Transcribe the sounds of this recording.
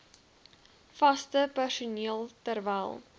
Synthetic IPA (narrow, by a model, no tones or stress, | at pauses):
fɐstəpærsuniəlˠtərvæjlˠ